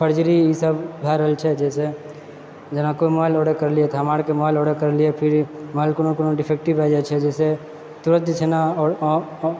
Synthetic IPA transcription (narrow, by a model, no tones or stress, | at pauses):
pʰəɾd͡ʒɾijisəbbʱaɾəɦlt͡ʃʰɛd͡ʒɛːse | d͡ʒɐnãkoimɔːɪlɔːɽekɐɾliet̪ʰamaːɽkemɔːɪlɔːɽəkəɾliepʰɪɾmɔːɪlkʊnõkonõɖɪpʰeːk̚ʈibɛd͡ʒat͡ʃʰɛd͡ʒɛːse | t̪ʊɾə̃t̪t͡ʃʰena